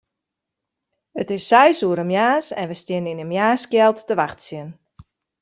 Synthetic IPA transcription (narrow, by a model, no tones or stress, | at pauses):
ətɪsːɛjsuəɾəmjaːsɛnʋəstjɪnəɪnəmjaːskjɛlˠtːəʋaxtsjən